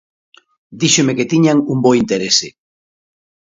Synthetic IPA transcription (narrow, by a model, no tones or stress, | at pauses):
d̪iʃomeket̪iɲaŋumboint̪eɾese